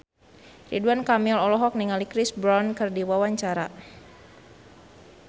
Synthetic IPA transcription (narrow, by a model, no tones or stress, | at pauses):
rḭduankamilɔlɔɦɔk̚niŋalikɾisbɾɔnkɨrdiwawaɲt͡ʃaɾa